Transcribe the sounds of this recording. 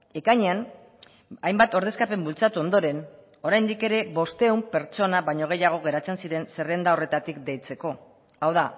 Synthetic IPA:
e̞kaɲean | ajmbat̪o̞ɾð̞e̞skape̞mbult͡sat̪uo̞nd̪o̞ɾe̞n | o̞ɾajnd̪ike̞ɾe̞βo̞st̪eumpe̞ɾt͡so̞naβaɲo̞ɣ̞e̞jaɣ̞o̞ɣ̞e̞ɾat͡se̞nsiɾe̞nse̞rend̪aore̞t̪at̪ikd̪e̞jt͡se̞ko̞ | awða

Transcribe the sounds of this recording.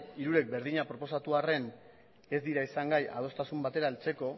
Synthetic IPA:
iɾuɾe̞k̚be̞ɾðiɲapɾo̞po̞sat̪uare̞n | e̞zd̪iɾaisaŋɡaja̰ð̞o̞st̪asumbat̪e̞ɾae̞lt͡se̞ko̞

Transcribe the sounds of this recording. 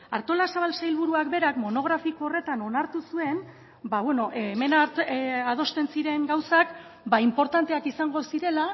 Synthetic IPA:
aɾt̪o̞lasaβalsajlβuɾuakbe̞ɾakmo̞no̞ɣ̞ɾafiko̞ːre̞t̪ano̞naɾt̪usue̞n | baβweno̞ʔme̞naað̞o̞st̪e̞nsiɾe̞ŋɡawsak | baimpo̞ɾt̪ant̪e̞akisaŋɡo̞siɾe̞la

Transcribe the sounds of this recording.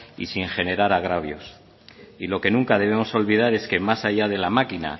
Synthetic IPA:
ḭsiŋxe̞ne̞ɾaɾaɣɾaβ̞jo̞s | ilo̞ke̞nũŋkaðe̞β̞e̞mo̞so̞lβiðaɾe̞ske̞masaʝað̞e̞lamakina̰

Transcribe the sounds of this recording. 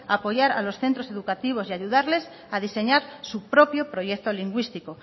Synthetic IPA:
apo̞ʝaɾa̰lo̞sθe̞nt̪ɾose̞ðukat̪iβ̞o̞sjaʝuðaɾle̞s | aðise̞ɲaɾsupɾopjopɾo̞ʝek̚t̪oliŋɡwist̪iko

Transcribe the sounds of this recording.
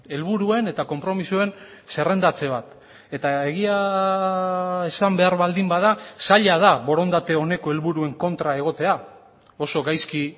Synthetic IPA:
e̞lβuɾue̞ne̞t̪ako̞mpɾo̞misue̞n | se̞re̞nd̪at͡se̞β̞at̪ | e̞t̪ae̞ɣia | esambe̞aɾβald̪imbaðasaʎað̞aβo̞ɾo̞nd̪at̪e̞o̞ne̞ko̞e̞lβuɾue̞ŋko̞nt̪ɾae̞ɣ̞o̞t̪e̞a | o̞so̞ɡajski

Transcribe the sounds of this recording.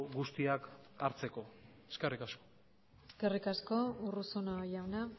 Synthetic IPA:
ɡust̪iakaɾt͡se̞ko̞ | e̥skerikasko̥ | eskerikasko̞urusonajawna

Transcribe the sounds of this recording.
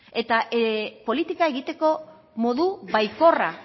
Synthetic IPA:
e̞t̪aʔepo̞lit̪ikae̞ɣit̪e̞ko̞ | mo̞ðuβajko̞ra

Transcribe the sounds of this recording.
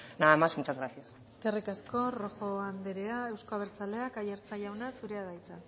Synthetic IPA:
naamasmut͡ʃazɣɾasiase̞ske̞rikasko̞ro̞xo̞and̪eɾeae̞wskoaβeɾt͡sale̞akajeɾt͡sajawnasuɾe̞að̞ajt͡sa

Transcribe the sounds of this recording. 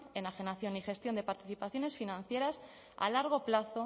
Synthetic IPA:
e̞naxe̞naθjo̞nixe̞st̪jo̞nd̪e̞paɾt̪i̥θipaθjo̞ne̞sfinãn̟θje̞ɾas | a̰laɾɣ̞o̞plaθo̞

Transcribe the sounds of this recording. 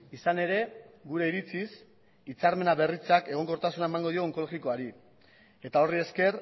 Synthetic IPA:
isane̞ɾe̞ɡuɾe̞iɾit͡sis | it͡saɾme̞naβe̞rit͡sake̞ɣo̞ŋɡoɾt̪asunaemaŋɡo̞ðio̞ŋko̞lo̞ɣiko̞aɾi | e̞t̪ao̞rie̞ske̞r

